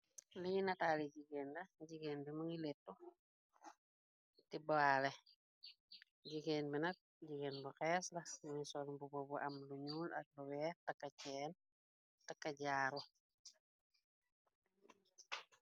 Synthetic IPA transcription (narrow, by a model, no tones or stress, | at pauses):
liɲinɐtaːliɟiɡeːndɐɟiɡeːnbimɐŋilɛtːu | tibalɛ | ɟiɡeːnbinɐk̚ | ɟiɡenbuxɛːslɐmɐŋisɔlbubɔbuʔɐmluɲuːlɐ̰t̚luwɛːtɐkːɐcɛːn | tɐkːɐɟaːɾɔ